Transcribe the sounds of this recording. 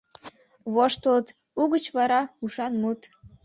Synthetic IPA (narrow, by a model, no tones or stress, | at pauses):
βoʃt̪ələt̪ | uɣət͡ɕβɑɾɑuʃɑnmut̪